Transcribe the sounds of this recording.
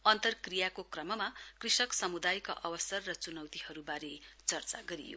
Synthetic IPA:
ʌnt̪ʌrkrijakokrʌmʌmakrisʌksʌmud̪ajka̰ʔʌwʌsʌrːʌt͡sunʌwt̪ihʌɾubaɾet͡sʌrt͡saɡʌɾḭjo̰

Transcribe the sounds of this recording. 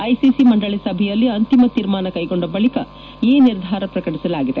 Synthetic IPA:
ɐjsisimɐɳɖɐɭisɐbʱɛjɐlːiɐnt̪imɐt̪iːɾmaːnɐkɐjɡo̞ɳɖɐbɐɭikɐ | iːniɾd̪ʱaːɾɐpɾɐkɐɽisɐlaːɡid̪e

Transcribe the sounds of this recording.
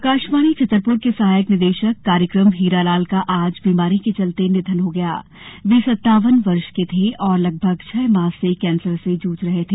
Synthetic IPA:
kaːʃmaːnit͡ʃɐt̪ːɾpʊɾkesɐɦaːjəknɪd̪eːʃəkːaːɾjəkɾəmɦiːɾalaːlkaʔaːd͡ʒbiːmaːɾiket͡ʃɐlt̪enɪt̪ʰənɦoɡɐja̰ː | ʋiːsɐt̪ːaːʋənʋɐɾʃket̪ʰeɔːɾlɐɡ̚bʱəɡt͡ʃʰɛːmaːsːekɛ̃ːnsəɾsed͡ʒuːt͡ʃɾɐɦet̪ʰeː

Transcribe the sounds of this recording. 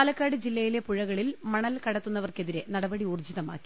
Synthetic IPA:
aːlɐkːaːɽɨd͡ʑilːɐjile̞puɻɐɣɐɭilmɐɳɐlkɐɽɐt̪ːunːɐʋɐrke̞ðiɾenɐɽɐbɐɽiuːrd͡ʑiðɐma̰ːkːi̥

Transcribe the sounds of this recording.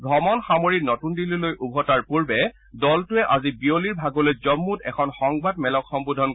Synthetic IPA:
bʱɔmɔnxamoɹinɔtundililojʔubʱɔtaɹpuɹbɛ | dɔltʊɛʔazibioliɹbʱaɡɔlojzɔmːutɛkʰɔnxɔŋbadmɛlɔkxɔmbudʱɔn

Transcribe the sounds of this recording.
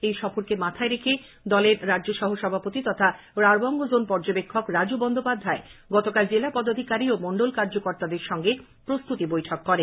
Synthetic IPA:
ejʃɔfoɾkemat̪ʰaeɾekʰe | d̪ɔleɾɾadd͡ʑoʃɔɦoʃɔbʱapot̪it̪ɔt̪ʰa | ɾaɾbɔŋɡod͡ʑonpɔɾd͡ʑobekʰːokɾad͡ʑubɔnd̪opad̪ʱaeɡɔt̪okald͡ʑelapɔd̪ːad̪ʱikaɾiomoɳɖolkaɾd͡ʑokoɾt̪ad̪eɾʃɔŋɡe | pɾost̪ut̪ibojʈʰɔkːɔɾe

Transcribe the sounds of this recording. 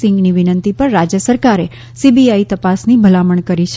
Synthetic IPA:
sɪ̃ŋɡniʋɪnənt̪ipəɾːad͡ʒjəsəɾkaɾe | sibiait̪əpasnibʱəlaməɳkəɾiʃʰ

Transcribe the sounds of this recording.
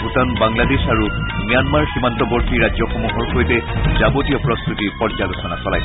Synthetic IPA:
bʱutɔnbaŋladesaɹumijanmaɹximantɔboɹtiɹazɔxomuɦɔɹxojtɛzabotijɔpɹɔst̪ɹutiɹpɔaɡɔsʰɔnasɔlaj

